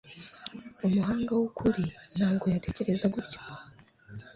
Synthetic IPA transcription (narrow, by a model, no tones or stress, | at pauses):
umuɦaːŋɡawukʰuɾin̥haːbɡo̞jatʰe̞ce̞ɾe̞zaɡuɾcḁ